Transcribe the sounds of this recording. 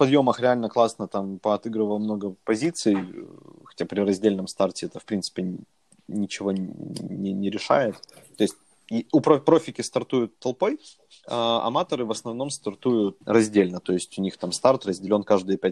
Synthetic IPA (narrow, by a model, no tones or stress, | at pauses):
pɐd̪jo̞məxɾʲɪalʲnəklˠasnət̪ampəɐt̪ɨɡɾɨvəlˠmno̞ɡəpɐzʲit̪sɨjxɐ̥tʲapɾʲɪɾɐzʲdʲelʲnəmst̪artʲɪɛt̪əfpɾʲinsɨ̥pʲɪ | nʲɪt͡ɕɪvo̞nʲɪnʲɪɾʲɪʂa̰jɪt̪t̪ːo̞ɪsʲt̚ʲ | jʊpɾopɾo̞fʲɪkʲɪst̪ɐrt̪ujʊt̪ːɐlˠpo̞j | aɐ̰mat̪əɾɨvəsnɐvno̞mst̪ɐrt̪ujʊt̪̚rɐzʲdʲelʲnət̪o̞ɪsʲtʲʊnʲixt̪amst̪art̪rəzʲdʲɪlʲo̞nkaʐd̪ɨjəpʲæt̚ʲ